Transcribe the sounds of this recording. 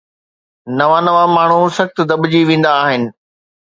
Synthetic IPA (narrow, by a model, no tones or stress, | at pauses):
nɐʋãnɐʋamaːɳ̤usɐxt̪ʊd̪ɐbɪd͡ʑiʋẽːn̆d̪aːɦɪnɪ̆